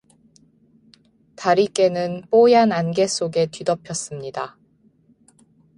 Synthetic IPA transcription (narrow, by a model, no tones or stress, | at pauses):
taɾik͈e̞nɯnp͈ojananɡe̞s͈oɡe̞tɥidʌpʰjʌs͈ɯmɲida